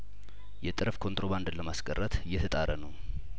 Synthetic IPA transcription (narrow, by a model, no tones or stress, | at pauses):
jɛt̪ʼɨɾəfkʰo̞nt̪ʼɾo̞βand̪ləmaskʼərːət̪jɛt̪ʰət̪ʼaɾʔənəw